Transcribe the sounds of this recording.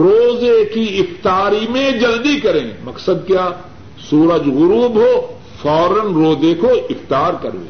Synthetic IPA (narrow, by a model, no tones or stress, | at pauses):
ɾoːzekiɪft̪aːɾimẽd͡ʒɐld̪ikɐɾẽːmɐksəd̪̚kjaː | suːɾəd͡ʒɣʊɾuːbɦoː | fɔːɾənɾoːzeːkʰoɪft̪aːɾkɐɾʋḛː